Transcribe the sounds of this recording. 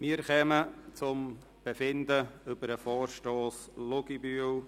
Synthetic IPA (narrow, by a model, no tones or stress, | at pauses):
mɪːɾχɛmət͡sʊm | b̥ɛfɪnd̪əʏbəɾəfɔːrʃtoːs | lʊɡibyəw